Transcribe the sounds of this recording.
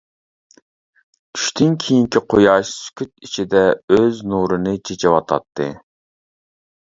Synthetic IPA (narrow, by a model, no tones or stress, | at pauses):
t͡ʃʰy̥ʃt̪ʰynkʲʰijiŋkʲʰiqʰojɑʃsy̥kʲʰyt̪̚it͡ʃʰid̪ɛøznuɾɨnɨt͡ʃʰet͡ʃʰɛwɑt̪ʰɑ̰t̪ʰːɨ̰